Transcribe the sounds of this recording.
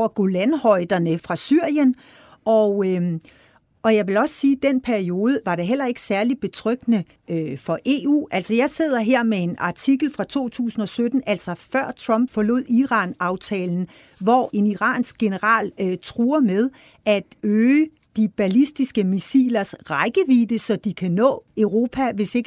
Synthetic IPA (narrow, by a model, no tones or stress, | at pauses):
ɐɡ̥olænhɒ̽ɪd̥ɐnəfʁɑ̈syɐ̰jən | ʔɒ̽ | ɒ̽jɑ̈ɪʋe̝lɒ̽ssiːd̥enpʰæɐio̝ːð̞ˠəʋɑ̈ɾe̝ɦel̰ɐe̝ɡ̥ə̥sæɐlid̥̚b̥e̝t͡sʰʁœɡ̥nə | øfɒ̽ʔe̝̰ṵːʔæl̰sɒ̽jɑ̈ɪse̝ð̞̰ˠɐɦeɐ̰mee̝nɑ̈t͡sʰiɡ̥l̩fʁɑ̈t͡sʰo̝̰ːt͡sʰṵːsn̩ɒ̽sød̥n̩æl̰sɒ̽fɶɐ̰t͡sʰʁɑ̽mb̥fɒ̽lo̝̰ð̞̰ˠiʁɑ̈ːnɑ̈ʊt͡sʰɛ̰ːln̩ | ʋɒ̰ːʔe̝niʁɑ̰̈ːnsɡ̥ɡ̥e̝nəʁɑ̰̈ːlt͡sʰʁuːɐmeð̞ˠ | ʔæd̥øː | d̥ib̥ælisd̥isɡ̥əmisḭːlɐsʁɑɪɡ̥əʋiːd̥əsɒ̽d̥ikʰænɔ̰̽ːøʊʁo̝ːpʰæʋe̝se̝ɡ̥